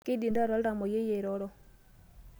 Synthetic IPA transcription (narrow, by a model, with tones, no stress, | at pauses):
kɪ˦di˨nda˦ɾɔ˦lɾa˨mɔ˨je˦je˨ɾɔ˦ɾɔ˦